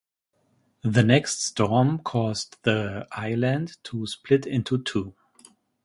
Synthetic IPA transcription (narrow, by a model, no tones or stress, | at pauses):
ðɨnɛkststɔɹmkʰɔzðiʔaɪlæ̃ndtʰusplɪtɪ̃ntʰutʰu